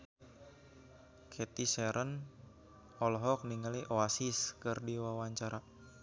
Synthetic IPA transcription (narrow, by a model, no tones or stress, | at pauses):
kʰɛt̪isɛɾʔən | ɔlɦɔk̚niŋaliʔoasiskɨrdiwawaɲt͡ʃaɾa